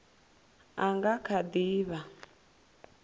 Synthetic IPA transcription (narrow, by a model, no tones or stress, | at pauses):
aŋɡakʰad̪iːβa